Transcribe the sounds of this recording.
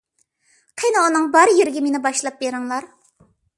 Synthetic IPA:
qʰenɨunɨŋbɑɾjeɾɪɡʲɛmenɪbɑʃlˠɑp̚beɾɨŋlˠɑɾ

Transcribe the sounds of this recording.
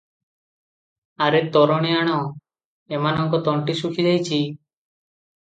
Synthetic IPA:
aɾet̪ɔɾɔɽ̃iaɽ̃ɔ | emanɔŋkɔt̪ɔɳʈisukʰid͡ʒajt͡ʃʰi

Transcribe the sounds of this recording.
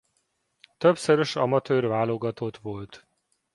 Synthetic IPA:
t̪øbsøɾøʃɒmɒt̪øːrvaːlo̞ɡɒt̪ot̪ʋo̞lt̪

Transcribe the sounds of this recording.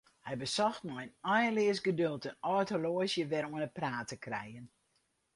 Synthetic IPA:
hɛjbəsɔxtnɔjnɔjəlɪəsɡədølˠtənɔtoloəsjəʋɛɾuənəpraːtəkrɛ̰jən

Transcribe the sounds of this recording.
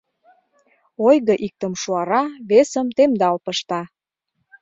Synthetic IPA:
ojɣəʔik̚t̪əmʃuɑɾɑβesəmt̪emd̪ɑlpəʃt̪ɑ

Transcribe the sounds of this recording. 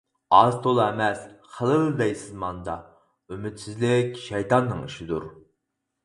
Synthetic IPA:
ɑzt̪ʰolˠɛmɛsχəlˠəbd̪ɛjsɪzmɑnd̪ɑ̰ | ymyt̪sɪzlɪkʲʃɛjt̪ɑnːɨŋiʃid̪uɾ

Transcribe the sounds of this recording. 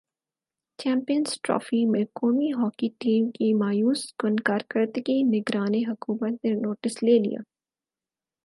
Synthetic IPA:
t͡ʃɛ̃ːmpijənzʈɾɔ̰ːfimẽkoːmiɦɔːkiʈiːmkimaːjuːskʊnkaːɾkəɾt̪kinɪɡɾaːneɦʊkuːmət̪nenoːʈɪsleːlḭja̰ː

